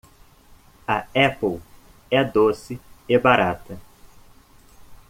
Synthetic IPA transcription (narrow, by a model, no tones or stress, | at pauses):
ɐɛpow | ɛd̪osɪebaɾat̪ɐ